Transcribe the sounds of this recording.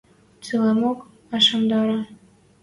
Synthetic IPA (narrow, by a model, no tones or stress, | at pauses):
t͡sɨlɑmok | ɑʃɑmd̪ɑɾɑ